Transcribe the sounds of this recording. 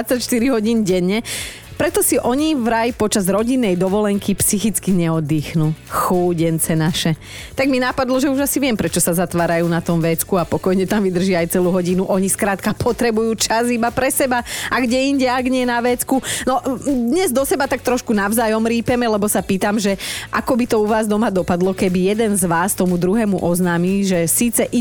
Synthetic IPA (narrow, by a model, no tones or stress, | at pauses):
at͡sːacʃt̪iɾiɦɔɟiːnɟɛɲːɛ | pɾɛt̪ɔsiʔɔɲivɾajpɔt͡ʃazɾɔɟinːɛjd̪ɔʋɔlɛŋkʰipsixit͡skiɲɛɔd̪ːiːxnuxuːɟɛnt͡sɛnaʃɛ | t̪aɡminapad̪lɔʒɛuʒasiʋɪɛmpɾɛt͡ʃɔsazat̪ʋaːɾajuːnat̪ɔmʋɛt͡skuapɔkɔjɲɛt̪amʋid̪r̩ʒiajt͡sɛluːɦɔɟinuʔɔɲiskɾaːt̪kapʰɔt̪ɾɛbujuːt͡ʃazibapɾɛsɛbaaɡɟɛiɲɟɛaɡɲɪɛnaʋɛːt͡skunɔd̪ɲɛzd̪ɔsɛbat̪ak̚t̪ɾɔʃkunaʊzaːjɔmɾiːpɛmɛlɛbɔsapiːt̪amʒɛʔakɔbit̪ɔuʋaːzd̪ɔmad̪ɔpad̪lɔkɛbijɛd̪ɛnzʋaːst̪ɔmud̪ɾuɦɛːmuʔɔznaːmiːʒɛsiːt͡sɛʔi